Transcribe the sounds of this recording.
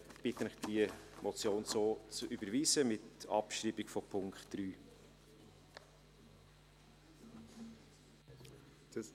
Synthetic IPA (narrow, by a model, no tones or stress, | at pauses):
b̥ɪt̪ənɪχd̥iəmʔɔt͡sjoːnsoːt͡sʔybəɾviːsəmɪtɑ̰pʃɾiːbikfɔpʰʊŋkχtd̥ɾyː